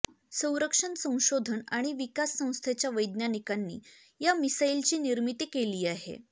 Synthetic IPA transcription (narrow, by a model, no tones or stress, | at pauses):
sə̃w̃ɾəkʂənsə̃w̃ɕod̪ʱənaɽ̃iʋikasːə̃w̃st̪ʰet͡ɕjaʋəjd̪nanikanːḭː | jamisailt͡ɕiːniɾmit̪ikeliːaɦḛ